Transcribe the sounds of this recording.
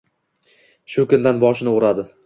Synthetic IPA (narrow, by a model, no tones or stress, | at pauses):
ʃʊkʊnd̪anbɒʃɪnɪoɾad̪ɪ